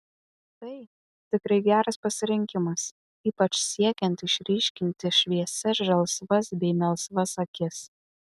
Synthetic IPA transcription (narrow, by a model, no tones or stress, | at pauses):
t̪ɐɪ | t̪ʲɪkɾɐɪɡʲæːɾɐspɐsʲɪɾʲɪŋʲkʲɪmɐs | iːpɐt͡ʃʲsʲiɛkʲɛnt̪ɪʃʲɾʲiːʃʲkʲɪnʲt̪ʲɪʃʲʋʲiɛsʲɛsʒɐlˠsʋɐsbʲɛɪmʲɛlˠsʋɐsɐkʲɪs